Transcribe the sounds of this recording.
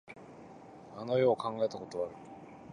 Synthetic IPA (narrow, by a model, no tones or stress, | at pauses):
ano̞jo̞ːkãŋɡae̞t̪ako̞t̪o̞βaɾɯ̟